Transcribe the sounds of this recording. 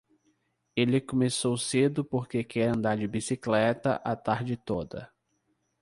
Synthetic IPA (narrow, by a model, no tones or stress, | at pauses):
elɪkõmesowsed̪ʊpoɾkekʰɛɾɐ̃nd̪aɾd͡ʒɪbisiklɛt̪ɐ̰ʔat̪aɾd͡ʒɪt̪od̪ɐ̰